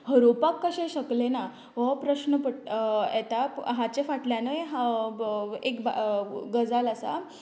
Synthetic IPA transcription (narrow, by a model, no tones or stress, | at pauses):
həɾopakːəɕẽɕəklena | ʋəpɾəɕnəpəet̪aɦat͡ɕefaʈljanəjɦa | ekba̰ɡəd͡zaləsa̰